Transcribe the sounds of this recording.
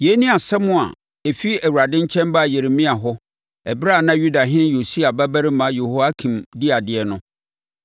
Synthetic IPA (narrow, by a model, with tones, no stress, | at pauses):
je˨˦nĩ˦a˨sɛ˦mʊ̃˦a̰˨ | e˨fi˦æ˨wu˨ɾa˨dɪ̃˦ɲ˦t͡ɕʰɛ̃˦mba˦˨je˨ɾe˨mĩ˦a˨ɦɔ˦ | ɛ˨bɾa˦˨nã˦ju˦da˨ɦɪ̃˦ñ˦jo˨si˦a˨bæ˦bæ˦ɾi˦mã˨˦je˨ho˨˦a˦kʰĩ˨mdi˦a˨dɪ˨ɛ˨nʊ̃˦